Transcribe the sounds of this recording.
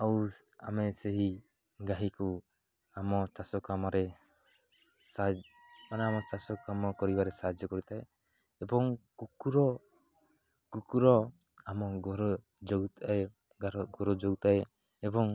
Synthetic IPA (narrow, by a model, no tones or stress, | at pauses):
aw | a̰mɛseɦi | ɡaɦiku | amɔt͡ʃasɔkamɔɾɛ | sad͡ʒ | maneamɔt͡ʃasɔkamɔkɔɾibaɾɛsad͡ʒɔkɔɾit̪aeː | bɔŋkukuɾɔ | kukuɾɔ | amɔɡɔɾɔ | d͡ʒɔɡt̪ae | ɾɡɔɾɔd͡ʒɔɡt̪aeː | bɔŋ